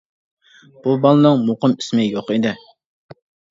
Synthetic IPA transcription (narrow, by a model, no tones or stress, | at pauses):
b̥ubɑlˠɨnɨŋmoqəmi̥smɪjoqid̪ɪ